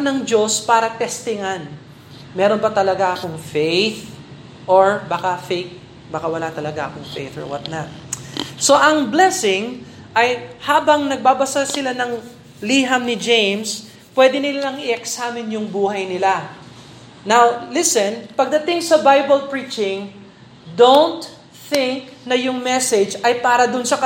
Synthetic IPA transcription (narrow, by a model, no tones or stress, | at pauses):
nɐŋd͡ʒo̞spaːɾɐt̪ɛst̪ɪŋan | mɛɾo̞nbɐt̪ɐlɐɡaʔɐkoŋfejθ | ʔoɹbakafejk̪̚ | baːkawɐlat̪ɐlɐɡaʔɐkoŋfḛjθo̰ɹwɐ̰t̪nat̪̚so̞ʔɐŋblɛsɪŋ | ʔɐjhaːbɐŋnɐɡ̚baːbɐsasɪlanɐŋ | liɦɐmnɪd͡ʒejms | pwɛd̪ɪnɪlɐŋɪɛksaːmɪnjʊŋbuːɦɐjnɪla | nawlɪsɛnpɐɡ̚d̪ɐt̪ɪŋsɐbajbɐlpɹit͡ʃɪ̃ŋ | d̪ownt̪ | θɪŋk̚nɐjʊŋmɛsɛd͡ʒɐjpaːɾɐd̪ʊnsɐkɐ